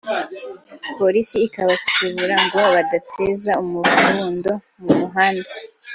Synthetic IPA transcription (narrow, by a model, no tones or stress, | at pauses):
po̞ɾisiːkaβat͡ʃu̥uβuɾaŋɡo̞βadatʰe̞zaumufuːndo̞ | mumuɦaːnde